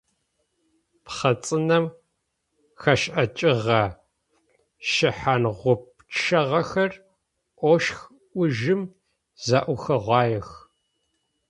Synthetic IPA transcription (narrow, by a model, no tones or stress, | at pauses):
pχɐt͡sʼɨnɐm | xɐʃʔɐt͡ʃʼɪʁɐ | ʃɪħanʁʷʊp̚t͡ʃʰɐʁɐxɐr | ʔʷɔʃx | ʔʷʊʒɪm | zaʔʷʊxɐʁʷɑːjɛx